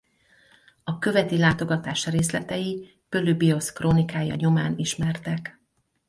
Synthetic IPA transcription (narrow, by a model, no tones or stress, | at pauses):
ɒkø̞vɛt̪ilaːt̪o̞ɡɒt̪aːʃreːslɛt̪ɛji | pølybio̞skroːnikaːjɒ̰ɲo̞maːniʃmɛrt̪ɛk